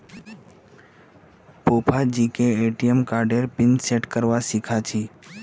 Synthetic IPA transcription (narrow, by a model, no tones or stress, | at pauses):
popʰad͡ʒiːkeeʈijemkaɾɖeɾpɪnseʈkəɾʋasikʰat͡ʃʰiː